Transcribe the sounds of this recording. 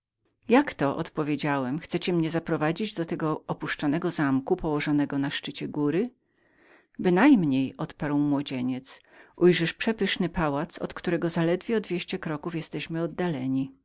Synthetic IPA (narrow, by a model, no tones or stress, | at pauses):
jakt̪ɔʔɔ̰t̪pɔvʲjed͡ʑawɛmxt̪sɛt͡ɕɛmɲɛzapɾɔvad͡ʑid͡ʑd̪ɔt̪ɛɡɔʔɔpuʂt͡ʂɔnɛɡɔzamkupɔwɔʐɔnɛɡɔnaʂt͡ʂɘt͡ɕɛɡuɾɘ | bɘnajmɲejɔt̪paɾwmwɔd͡ʑeɲɛt̪sʔujʐɛʂpʂɛpɘʂnɘpawat̪sɔ̰t̪kt̪uɾɛɡɔzalɛd̪vʲjɛɔd̪vʲjeɕt͡ɕɛkɾɔkufjɛst̪ɛɕmɘɔd̪ːalɛɲi